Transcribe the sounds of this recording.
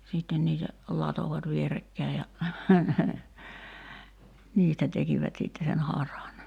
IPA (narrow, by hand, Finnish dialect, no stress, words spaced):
siˑtːen niːtæ lɑtoʋɑt ʋierekːæi jɑ niːstæ tekiʋæt sitːe sen hɑrɑn